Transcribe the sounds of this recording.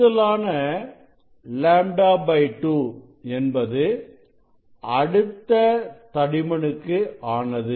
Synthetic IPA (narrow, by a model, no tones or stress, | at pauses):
ɐlaːnɐ | laːɳɖaːbɐɪʈːuː | ɛnbɐðɯ | ɐɽɯt̪ːɐt̪ɐɽɪmɐɳɯkːɯaːnɐðɯ